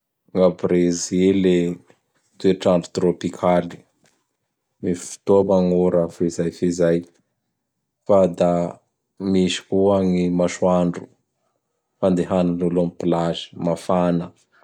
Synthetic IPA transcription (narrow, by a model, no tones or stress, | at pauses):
ŋabɾezile | t̪ueʈ͡ʂaɳɖ͡ʐu̥t̪ɾopikʰali̥ | mifi̥t̪obaŋuɾafizajfizaj | fad̪a | miʃi̥kuaŋimaʃwaɳɖ͡ʐu̥ | fand̪eɦanululumipilazi̥mafanə